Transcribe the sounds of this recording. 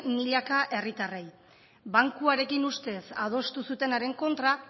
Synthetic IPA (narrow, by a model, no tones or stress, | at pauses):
miʎakaʔe̞rit̪arej | βaŋkuaɾe̞kinust̪e̞sað̞o̞st̪usut̪e̞naɾe̞ŋko̞nt̪ɾa